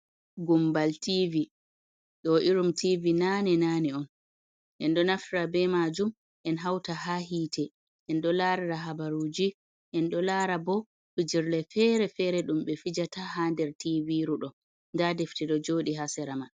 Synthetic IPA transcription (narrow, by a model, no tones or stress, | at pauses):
ɡumbaltivi | ɗɔʔiɾumtivinanɛnaːnɛɔn | ʔɛnɗɔnaftɾabɛmad͡ʒum | ʔɛnɦawtaɦaɦiːtʰɛ | ʔɛnɗɔlaɾaɾaɦabaɾud͡ʒi | ʔɛnɗɔlaːɾabɔ | ɓid͡ʒiɾlɛfɛɾɛfɛɾɛɗumɓɛfid͡ʒatahandɛɾtiviɾuɗɔ | ndadɛftɛɗɔd͡ʒoːɗiɦasɛɾama